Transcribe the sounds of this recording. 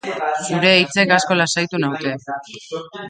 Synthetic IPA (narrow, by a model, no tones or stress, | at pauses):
suɾe̞ːjt͡se̞kasko̞lasajt̪unawt̪e̞